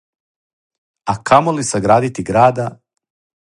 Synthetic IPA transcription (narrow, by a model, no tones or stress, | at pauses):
akʰamolisaɡɾaːd̪it̪iɡɾaːd̪a